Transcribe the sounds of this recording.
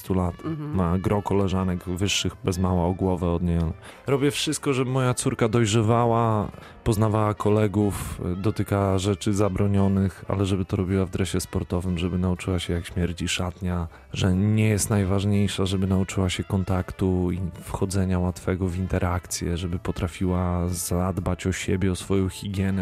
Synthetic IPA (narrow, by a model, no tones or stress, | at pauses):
st̪ulat̪maɡɾɔkɔlɛʐanɛɡvɘʂːɘɣbɛzmawaɔɡwɔvɛɔd̪ɲɛal | ɾɔbʲjɛfʂɘst̪̚kɔʐɛbɘmɔjat̪suɾkad̪ɔjʐɛvawa | pɔznavawakʰɔlɛɡufd̪ɔt̪ɘkaaʐɛt͡ʂɘzabɾɔɲɔnɘxa̰lɛʐɛbɘt̪ɔɾɔbʲiwavd̪ɾɛɕɛspɔɾt̪ɔvɘmʐɛbɘnaut͡ʂɘwaɕɛjakɕmʲjɛɾt͡ɕiʂat̪ɲa | ʐɛɲɛjɛst̪najvaʐɲejʂaʐɛbɘnaut͡ʂɘwaɕɛkɔnt̪akt̪uifxɔd̪zɛɲawat̪fɛɡɔvint̪ɛɾʔakt̪sʲjɛ̰ʐɛbɘpɔt̪ɾafʲiwazad̪bat͡ɕɔɕɛ̰bʲjɛɔsfɔjɔ̃w̃xʲiɡʲjɛnɛ